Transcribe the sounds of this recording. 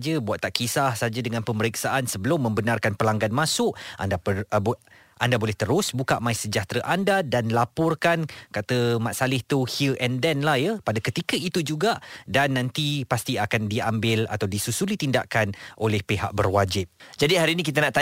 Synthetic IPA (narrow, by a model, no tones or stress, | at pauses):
d͡ʒəbuat̪ːaʔkisahsad͡ʒadəŋanpəməɾiksaʔansəbəlʊmːə̃mbənarkanpəlaŋɡanmãsʊʔʔa̰nda | ʔandabolɛht̪əɾʊsbukaʔmãɪsəd͡ʒaht̪ɾaʔandadanlapɔrkankat̪əmaʔ̪salɪht̪uhiʔɛndɛnlahjapadakət̪ikəit̪ud͡ʒuɡaʔdanːãnt̪ipast̪iakandiambɪla̰t̪awdisusulit̪inda̰ʔkanʔolɛhpeɦa̰ʔ̚bərwad͡ʒɪp̚d͡ʒadiɦaɾiːnik̬it̪anaʔt̪a